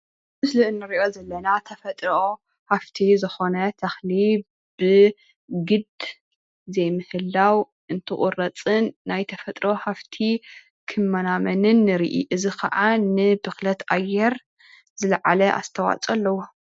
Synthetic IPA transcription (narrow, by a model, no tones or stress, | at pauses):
mɨslɨʔɨnːɨɾiʔo̞zɐlːɐnat̪ʰɐfɐt̪ʼɾo | haft̪ʰizɨxo̞nɐt̪ʰɐxli | b̥ɨ | ɡɨd̪ | zɐjmɨhɨlːaw | ʔɨnt̪ʰɨkʼʊ̰rɐt͡sʼɨnːajt̪ʰɐfɐt̪ʼɾo̞haft̪ʰi | kʰɨmːɐnamɐnɨnːɨɾḭʔḭʔɨzikʰɐ̰ʔanɨbɨxlɐt̪ʔʼajɛɾ | zɨlɐʕalɐʔa̰st̪ʰɐwa̰t͡sʼɐlːɐwu